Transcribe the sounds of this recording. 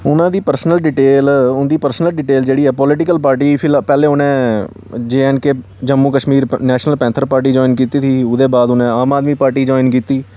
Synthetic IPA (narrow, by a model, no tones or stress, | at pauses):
ʊnãːd̪iːpəɾsnəlɖɪʈeːlʊnd̪iːpəɾsnəlɖɪʈeːld͡ʒeːɽiːɛːpɔlɪʈɪkəlp̬aːɾʈiːpʰɪlpɛːleːʊnẽː | d͡ʒeːɛːnkeː | d͡ʒəmːuːkəʃmiːɾnɛːʃnəlpɛ̃ːnt̪ʰəɾpaːɾʈ̬iːd͡ʒɔːɪnkiːt̪iːt̪ʰiːʊd̪eːbaːd̪ʊnẽːaːmaːd̪miːpaːɾʈiːd͡ʒɔːɪnkiːt̪iː